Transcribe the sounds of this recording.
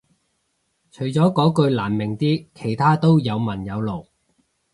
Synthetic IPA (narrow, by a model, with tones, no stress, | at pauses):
t͡ʃʰɵ˨˩ɥt͡sɔː˨˥kɔː˨˥kɵ˧ɥlaː˨˩nmɪ˨˩ŋt̪iː˥kʰe˨˩jt̪ʰaː˥t̪o˥wjɐ˨˧wmɐ˨˩njɐ˨˧wlo˨˩w